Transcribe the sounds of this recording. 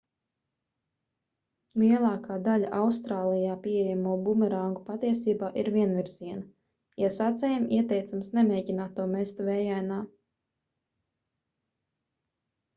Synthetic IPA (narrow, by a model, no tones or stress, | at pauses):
lˠiɛlˠɑːkaːd̪alʲaʔawst̪ɾaːlˠijaːpiejamuɔbumɛɾaŋɡupat̪iɛsiːbaːʔiɾvʲiɛnvʲiɾz̥iɛnɐ | jasat̪sʲɛjmiɛt̪ɛjt̪samsnɛmʲeːɟʲinaːt̪ːuɔmɛst̪uvɛːjajnaː